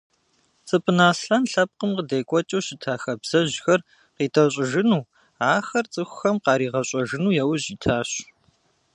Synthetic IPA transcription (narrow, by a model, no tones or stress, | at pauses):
t͡sʼɨpʼʰɨnaːsɬɐnɬɐp̚qəmqədeːkʷʼɔt͡ʃʼɐwɕɪtʰaːxɐbz̥ɐʑxɐr | qiːtʰɐɕʼɪʒɪnuː | aːxɐrt͡sʼɨxʷʊ̥xɐmqɑːɾiːʁɐɕʼɐʒɪnuːjɛwʑiːtʰaːɕ